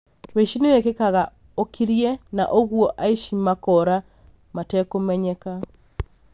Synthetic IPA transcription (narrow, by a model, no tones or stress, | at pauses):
tweʃineekekaɣa | okiɾjena̰ʔoɣwoʔaiʃimakɔɾa | matɛkomɛɲɛka